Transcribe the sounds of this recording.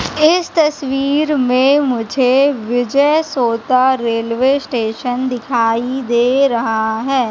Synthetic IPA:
ɪst̪ɐsʋiːɾmẽmʊd͡ʒʱeʋɪd͡ʒəjsoːt̪aɾeːlʋesʈeːʃənd̪ɪkʰaːid̪eːɾɐɦaɦɛː

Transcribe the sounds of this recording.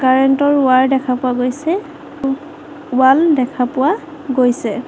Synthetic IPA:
kaɹɛntɔɹʊaɹdɛkʰapʊwaɡojsɛ | ʊwaldɛkʰapʊwa | ɡojsɛ

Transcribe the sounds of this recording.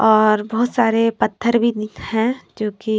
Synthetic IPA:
ɔːɾbɔɦʊt̪saːɾepɐt̪ʰːəɾbʱihɛ̃d͡ʒoːki

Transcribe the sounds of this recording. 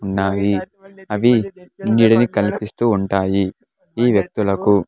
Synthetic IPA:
uɳːaːji | ɐʋiniːɽɐnikɐlipist̪uːɳʈaːji | iːʋjɐk̚t̪ulɐku

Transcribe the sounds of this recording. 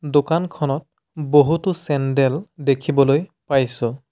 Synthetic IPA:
dokankʰɔnɔt̚ | boɦutʊsɛndɛldekʰibɔlojpajsʊ̃

